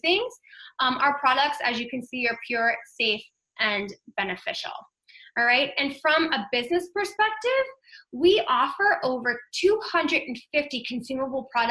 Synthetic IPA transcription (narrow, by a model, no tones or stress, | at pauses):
θɪ̃ŋz̥ə˞pʰɹ̥ɑɾək̚tsɨzjɨkɨ̃n̩siə˞pʰj̥ʊɹseɪf | ʔɨ̃nbɛnɨfɪʃl̩ˠ | ɹaɪt̚ɨ̃nfɹʌ̃məbɪznɨspə˞spɛk̚tɪvwiʔɔfə˞ʔoʊvə˞tʰuhʌ̃ndɹɨɾn̩fɪftikʰɨ̃n̩sʉməbl̩ˠpʰɹ̥ɑɾ